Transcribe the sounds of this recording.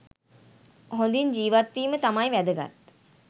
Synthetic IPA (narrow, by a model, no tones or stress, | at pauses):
ɦond̪iɲd͡ʒiːʋat̪ʋiːmət̪amajʋæd̪əɡa̰t̪